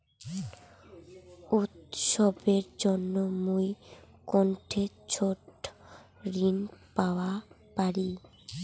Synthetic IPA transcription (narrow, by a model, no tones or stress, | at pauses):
ut̪ʃɔbeɾd͡ʑonːomuj | kɔɳʈʰe | t͡ɕʰoʈ | ɾinpaoa | paɾi